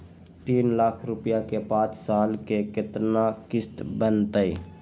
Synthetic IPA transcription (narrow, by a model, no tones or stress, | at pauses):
t̪iːnlakʰɾʊpjakepãːt͡ʃsaːlkekɪt̪nakɪst̪bənt̪əi